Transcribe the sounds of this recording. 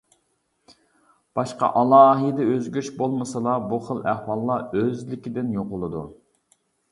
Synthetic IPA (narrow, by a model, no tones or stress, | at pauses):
b̥ɑʃqɑ̰ʔɑlˠɑːɦid̪ɛøzɡʲyʃbolˠmɨsəlˠɑbuχəlˠæhwɑlˠːɑøzlɪkʲɪd̪ɪnjoqʊlˠɨd̪u